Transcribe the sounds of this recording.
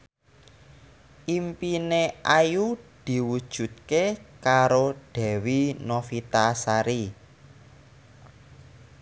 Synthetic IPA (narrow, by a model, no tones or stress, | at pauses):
ʔimpineʔajud̪̥i̤wud̥ʒ̥ṳt̪̚kekaɾoɖ̥ɛ̤winofit̪asaɾi